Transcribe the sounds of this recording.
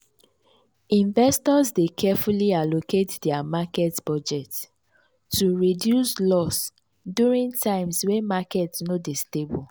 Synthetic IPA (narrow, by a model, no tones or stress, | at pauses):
ĩnvɛstɔzdekʰɛfulialoketdɛamakɛtb̥ɔd͡ʒɛt | tːuɹidjuslɔs | djuɹĩŋtʰãɪ̃mswɛmakɛtsnodestebɔl